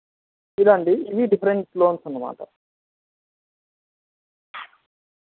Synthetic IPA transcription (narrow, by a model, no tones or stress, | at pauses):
ilaːɳʈiːʋ̪iɖipʰɐɾeɳʈsloːnsunːɐma̰ːʈɐ